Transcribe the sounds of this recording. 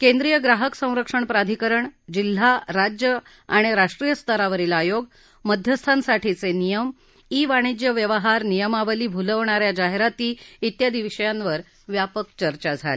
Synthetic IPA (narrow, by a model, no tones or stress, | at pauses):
kend̪ɾijəɡɾaɦəksə̃w̃ɾəkʂəɳpɾad̪ʱikəɾəɳd͡ʑil̤ːaɾad͡ʑjə | aɽ̃iɾaʂʈɾijəst̪ʰəɾaʋəɾilːjoɡ | məd̪ʱjəst̪ʰansaʈit͡senijəm | iːʋaɽ̃id͡ʑjəʋjəʋəɦaɾnijəmaʋəliːbʱuləʋɳ̃aɾjad͡ʑaɦeɾat̪iːit̪jad̪iʋɕəjanʋəɾ | ʋjapəkt͡ɕəɾt͡ɕad͡zʱa̰le